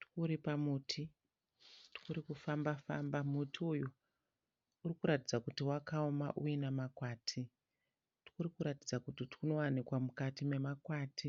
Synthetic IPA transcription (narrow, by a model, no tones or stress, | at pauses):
tkuɾipamuːtʰi | tu̥kuɾikufambafa̰mbamutʰiuju | urikuɾatid͡zakutiwakaoma̰ʔujinamakwaːtʰi | tu̥kuɾikuɾatid͡zakutitu̥uno̞wanikwamukatime̞makwaːtʰi